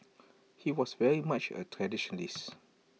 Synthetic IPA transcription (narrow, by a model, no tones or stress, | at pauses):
hiwɔsvɛɹimat͡ʃə̰tʰɹɛdiʃɔ̃nəlis